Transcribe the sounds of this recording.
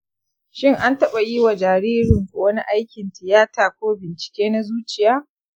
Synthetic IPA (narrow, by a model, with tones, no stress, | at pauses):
ʃɪ˦ŋʔa˦ntɐ˦ɓa˨ji˦wa˨d͡ʒaː˨ɾiː˦ɾɪ˨ŋkʷo˨wɐ˦ni˦ʔa˦jkʲɪ˨ntɪ˨jaː˦taː˨kʷoː˦bɪ˨nt͡ʃɪ̥˨kʲeː˦na˦zuː˦t͡ʃɪ˨jaː˦